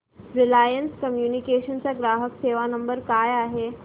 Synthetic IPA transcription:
ɾilajənskəmjunikeɕənt͡saɡɾaɦəkseʋanəmbəɾkajaɦe

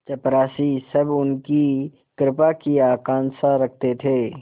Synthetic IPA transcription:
t͡ʃɐpɾaːsisɐbʊnki | kɾɪpakiaːkãːnsaɾɐk̚ʰt̪et̪ʰeː

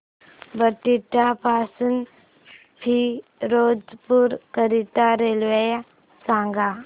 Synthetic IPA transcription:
bəʈiʈapaːsən | pʰiɾoːd͡ʒpuɾkəɾit̪aɾeːlʋəja | sãːŋɡa

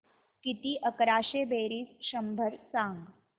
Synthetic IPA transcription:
kit̪iːʔəkɾaːɕebeɾiːsɕəmbʱəɾsãŋɡ

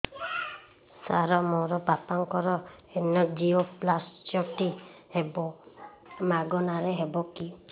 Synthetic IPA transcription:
saɾɔmɔɾɔbapaŋkɔɾɔenɔd͡ʒioplast͡ʃɔʈihebɔ | maɡɔnaɾeɦebɔki

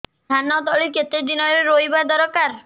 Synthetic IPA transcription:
d̪ʱanɔt̪ɔɭiket̪ed̪inɔɾeɾoibad̪ɔɾɔkaɾ

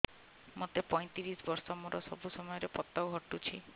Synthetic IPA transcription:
mot̪epɔj̃t̪iɾisbɔɾsɔmoɾɔsɔbusɔmɔjɔɾepɔt̪ːawɦɔʈut͡ʃʰi

